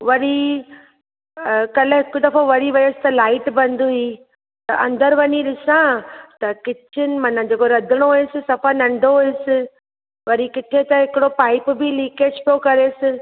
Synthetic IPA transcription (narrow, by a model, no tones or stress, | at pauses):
ʋɐɾi | kɐlɦɪkʊd̪ɐfõʋɐɾiʋɐesɪ̥t̪ɐlaːɪʈbɐ̃nd̪ʱui | t̪ɐʔɐ̰̃nd̪əɾʋɐɲilɪsãt̪ɐkɪtʰɪnɪ̆mɐnãd͡ʑeːkoɾɐd̪ʱɪɽ̃oɦesɪsɐfanɐ̃ɳɖʱoɦʊesɪ | ʋɐɾikɪt̪ʰet̪ɐ̃ɦɪkɪɽopaːɪpbʱɪliːkeːd͡ʑpijokɐɾeːsɪ